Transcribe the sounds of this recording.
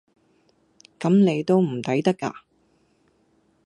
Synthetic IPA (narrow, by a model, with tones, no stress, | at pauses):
kɐ˨˥mne˨˧jt̪o˥wm̩˨˩t̪ɐ˨˥jt̪ɐ˥kːa̰ː˧